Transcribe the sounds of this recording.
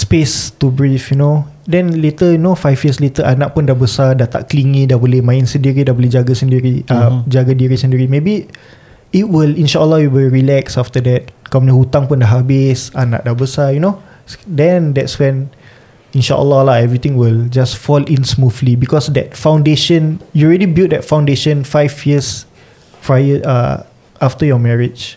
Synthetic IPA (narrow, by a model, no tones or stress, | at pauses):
spestubɹifjuno | dɛ̃nlet̪əjunofajvjəslet̪əʔanaʔ̚pʊndahbəsadat̪a̰ʔkliŋĩdabolɛhmãɪnsəndiɾidabolɛhd͡ʒaɡasəndiɾiʔad͡ʒaɡadiɾisə̃ndiɾimebi | it̚wilinʃaʔəlːɔhwiwiɹilɛksaft̪ədɛt̚kɔmnihut̪aŋpʊndaɦabɪsana̰ʔ̚dabəsajuno | dɛ̃ndɛtswɛ̃n | ĩnʃa̰ʔə̰lːɔlaɛvɹit̪ĩŋwild͡ʒasfɔlĩnsmuflibikɔsdɛt̚fãwndeʃə̃njuɹɛdibilt̚dɛtfãw̃ndeʃə̃nfajvjiəs | fɹajəə̰ | aftəjɔmɛɹɪd͡ʒ